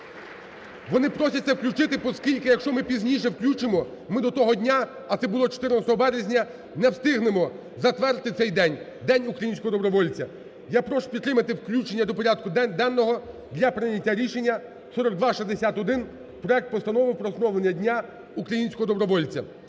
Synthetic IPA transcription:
ʋɔnɪpɾɔsʲɐt̪ʲsʲɛwklʲut͡ʃɪt̪ɪpɔskʲilʲkɪjɐkʃt͡ʃɔmɪpʲizʲnʲijʃ̬ɛwklʲut͡ʃɪmɔ | mɪd̪ɔt̪ɔɦɔdʲnʲaː | t̪sɛbʊlˠɔt͡ʃɔ̥t̪ɪɾrnɐst̪ɔɦɔbɛɾezʲnʲɐ | nɛwst̪ɪɦnemɔ | zɐt̪ʋɛrt̪ɪt̪sɛjd̪ɛnʲ | d̪ɛnʲukɾɐjinʲsʲkɔɦɔd̪ɔbɾɔʋɔlʲt͡sʲɐ | japɾɔʃʊ̥pʲid̪t̪ːɾɪmɐt̪ɪwklʲut͡ʃenʲːɐd̪ɔpɔɾʲad̪̚kʊd̪ɛnːɔɦɔ | d̪lʲɐpɾɪnʲɐtʲːaɾʲiʃenʲːɐ | sɔɾɔɡ̚d̪ʋaʃiszd̪esʲat̪ɔd̪ɪn | pɾɔɛk̚t̪̚pɔst̪ɐnɔʋɪwpɾɔːsnɔʋlˠenʲːɐdʲnʲa | ukɾɐjinʲsʲkɔɦɔd̪ɔbɾɔʋɔlʲt͡sʲɐ̰

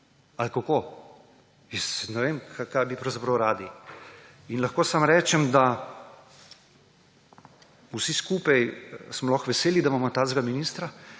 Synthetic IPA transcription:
alkakoː | jɛsnɛʋeːmkʰakajbipɾɐwzapɾɐwɾaːd̪i | inlɐxkoːsamɾɛːt͡ʃɛmd̪a | usiskuːpajsmɔlɔxʋɛseːlid̪amamɔt̪aːzɡaminist̪ɾa

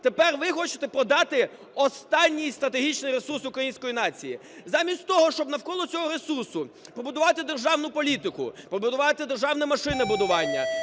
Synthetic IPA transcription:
t̪epɛrʋɪxɔt͡ʃɪ̥t̪ɛpɾɔd̪ɑt̪ɪ | ɔst̪ɑnʲːijst̪ɾɐt̪eɦʲit͡ʃnɪjɾesursʊkɾɐjinʲsʲkɔjinɑt͡sʲijḭ | zɑmʲisʲtʲt̪ɔɦɔʃt͡ʃɔbnɐwkɔlˠɔt͡sʲɔɦɔɾesursʊpɾɔbʊd̪ʊʋɑt̪ɪd̪erʒɑwnʊpɔlʲit̪ɪkʊ̰pɔbʊd̪ʊʋɑt̪ɪd̪erʒɑwnɛmɐʃɪnɪbʊd̪ʊʋɑnʲːɐ̰

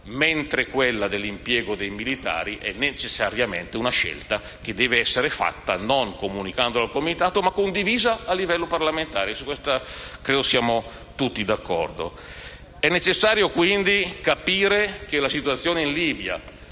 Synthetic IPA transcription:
ment̪ɾekwelːad̪elːimpjɛːɡod̪ejmilit̪a̰ːɾiʔɛ̰nːet͡ʃesːaɾjamḛnt̪eunaʃɛ̰lt̪a | k̟ed̪ːɛːveɛsːeɾefa̰t̪ːanoŋkomunikand̪oalkomit̪aːt̪omakːond̪iviːzaːlːivɛlːoparlament̪aːɾesukːwɛst̪akɾeːd̪osjaːmo | t̪ut̪ːid̪akːɔ̰rd̪o̰ | ɛnːet͡ʃesːaːɾjokwind̪ikapiːɾekelasit̪uat̪sːjoːneinliːbja̰

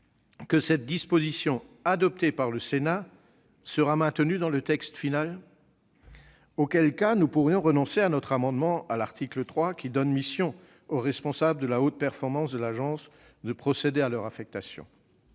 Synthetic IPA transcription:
kəsɛt̪̚d̪ispozisjɔ̃ad̪ɔp̚t̪epaʁləsena | səʁamɛ̃t̪ənyd̪ɑ̃lət̪ɛkst̪final | okʲɛlkanupuʁjɔ̃ʁənɔ̃seanɔt̪χamɑ̃d̪mɑ̃alaʁt̪ʰiklət̪χwakʲid̪ɔnmisjɔ̃ | oʁɛspɔ̃sabləd̪əlaot̪̚pɛʁfɔʁmɑ̃sd̪əlaʒɑ̃s | d̪əpχɔsed̪ealœʁafɛk̚t̪asjɔ̰̃

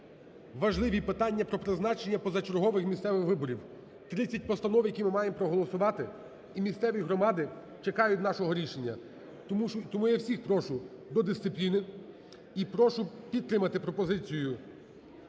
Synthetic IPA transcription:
ʋɐʒlˠɪʋʲipɪt̪ɑnʲːɐpɾɔpɾɪznɑt͡ʃenʲːɐpɔzɐt͡ʃeɾɦɔʋɪxmʲist̪sɛʋɪxʋɪbɔɾʲiw | t̪ɾɪt͡sʲːɐt̚ʲpɔst̪ɐnɔwjɐkʲimɪmɑjempɾɔɦɔlˠɔsʊʋɑt̪ɪ | imʲist̪sɛʋʲiɦɾɔmɑd̪ɪ | t͡ʃekɑjʊtʲnɑʃɔɦɔɾʲiʃenʲːɐ | t̪ɔmujɛwsʲixpɾɔʃʊd̪ɔd̪ɪst̪sɪplʲinɪ | ipɾɔʃʊpʲid̪̚t̪ɾɪmɐt̪ɪpɾɔpɔzɪt͡sʲijʊ

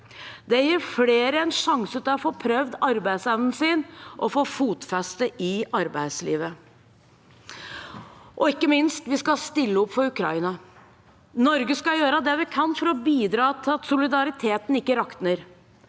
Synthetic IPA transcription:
d̪ɛjiːɾfleːɾəɛnʂɑŋsət̪ʰɑɔfoːpʰɾœʋd̪ɑɾbæɪsɛʋnn̩siːnʔɔfoːfuːt̪fɛst̪əʔɪɑɾbæɪslḭːʋə | ʔɔɪkːəmɪnst̪ʋɪskɑst̪ɪlːəɔpːfɔɾʉkʰɾɑ̰ɪnɑ | nɔɾɡəskɑjøːɾəd̪ɛʋɪkʰɑnfɔɾɔbiːd̪ɾɑːt̪ʰɪlɑt̪sʊlɪd̪ɑɾɪt̪ʰeːt̪nɪkːəɾɑkt̪nəɾ

